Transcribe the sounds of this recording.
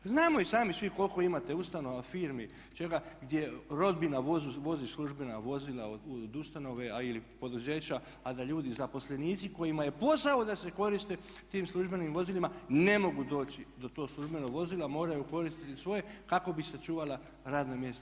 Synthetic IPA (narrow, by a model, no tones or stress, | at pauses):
znaːmo̞isaːmisʋiko̞lko̞imat̪e̞ust̪ano̞ʋafiːɾmi | t͡ʃe̞ɡaɡd̪ʲje̞ɾo̞d̪binaʋozuʋo̞zisluʒbenaʋo̞zilaood̪ust̪ano̞ʋe̞ilipo̞d̪uze̞ːt͡ɕa | ad̪aʎuːd̪izapo̞sle̞niːt̪siko̞jimaje̞po̞saod̪ase̞ko̞ɾist̪e̞ | t̪iːmslˠuʒbe̞nimʋo̞zilimane̞mo̞ɡud̪o̞ːt͡ɕid̪o̞t̪o̞ːɡslˠuʒbe̞noɡʋo̞zilˠamo̞ːɾajuko̞ɾist̪it̪isʋo̞je̞kako̞bisat͡ʃuːʋala | ɾaːd̪namje̞st̪a